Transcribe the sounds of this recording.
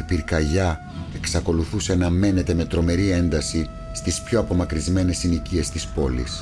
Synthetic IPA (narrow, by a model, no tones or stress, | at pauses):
ipiɾkɐʝɐ | e̞ksɐko̞luθuse̞ɐnɐme̞ne̞t̪e̞me̞t̪ɾo̞me̞ɾie̞nd̪ɐsi | st̪ispço̞ɐpo̞mɐkɾizme̞ne̞sinicie̞st̪ispo̞lḭs